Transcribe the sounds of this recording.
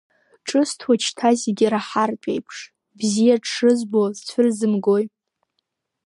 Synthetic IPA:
ʈ͡ʂʼɨstʰwat͡ʃʰtʰazeɡʲɪɾaħarpʲʷʼḛjpʰʂ | bzijaʈ͡ʂʰʂɨzbozt͡sʷʰʊrzɨmɡo̞j

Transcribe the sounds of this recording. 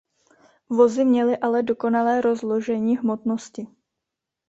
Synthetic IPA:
vo̞zɪmɲɛlɪʔalɛdo̞ko̞nalɛːɾo̞zloʒɛɲiːɦmo̞t̪no̞scɪ

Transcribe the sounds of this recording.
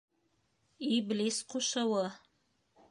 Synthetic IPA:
iblʲisquʃɑwɤ

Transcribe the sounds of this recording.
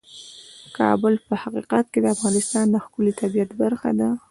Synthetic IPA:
kʰɑ̰bʊlpəhaqiqat̪̚ked̪əafɣɑnɪst̪ɑnd̪əxkʊlit̪abijat̪baɾxa̰d̪a

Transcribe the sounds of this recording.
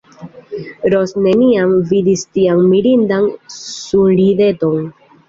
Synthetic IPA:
ɾosne̞niamvidistiaŋmiɾindansunɾide̞to̞n

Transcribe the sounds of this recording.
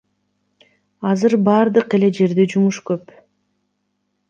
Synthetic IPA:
ɑzɯɾbɑːɾd̪ɯqe̞le̞d͡ʒe̞ɾd̪ed͡ʒumuʃkøp

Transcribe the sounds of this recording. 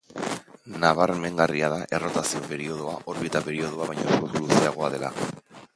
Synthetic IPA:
naβareme̞ŋɡariaðaʔe̞ro̞t̪asio̞pe̞ɾio̞ð̞oaʔo̞ɾβit̪ape̞ɾio̞ð̞oaβajɲaskot̪uluseaɣ̞o̞aðe̞la̰

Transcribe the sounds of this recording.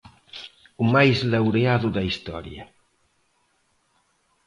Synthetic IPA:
umajzlawɾeaðud̪aist̪ɔ̰ɾj̰ə̰

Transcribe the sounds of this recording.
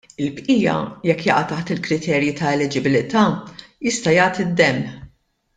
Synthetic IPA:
ɪlpʔiːjɐ̰jɛkːjɐ̰ʔɐt̪ːɐħt̪ɪlkɾɪt̪ʰɛːɾjit̪ɐɛlɪd͡ʒɪbɪlɪt̪ɐːjɪst̪ɐjɐːt̪ɪd̪ːɛmħ

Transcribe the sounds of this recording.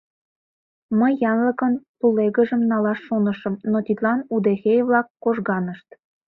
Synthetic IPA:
məjːɑnləkənpuleɣə̆ʒəmnɑlɑʃːonəʃə̆mnot̪it̪lɑnud̪eɣejβlɑkːoʒɣɑnəʃt̪

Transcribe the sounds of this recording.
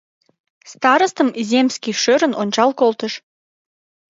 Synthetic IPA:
st̪ɑɾəst̪əmzʲemskʲiʃøɾə̆nonʲt͡ɕɑlkolt̪əʃ

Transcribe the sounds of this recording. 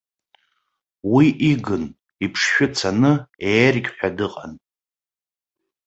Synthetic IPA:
wiʔiɡɨn | ipʰʂʃᶣʊt͡sʰanɨejrɡʲʼħʷᶣadɨqʼa̰n

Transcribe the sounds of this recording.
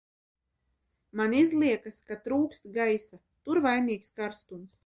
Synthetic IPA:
manizlˠiɛkaskat̪ɾuːkst̪ɡajsa | t̪uɾvajniːkskaɾst̪uns

